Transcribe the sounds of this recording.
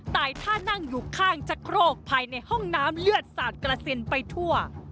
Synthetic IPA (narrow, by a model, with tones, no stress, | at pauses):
t̪aː˨˩jt̪ʰaː˥˩na˥˩ŋjuː˨˩kʰaː˥˩ŋt͡ɕa˧˥kʰɾoː˥˩k̚pʰaː˧jna˧jhɔ˥˩ŋnaː˦˥mlɯ˥˩ət̪̚saː˨˩t̪̚kɾa˧si˧npa˧jt̪ʰu˥˩ɐ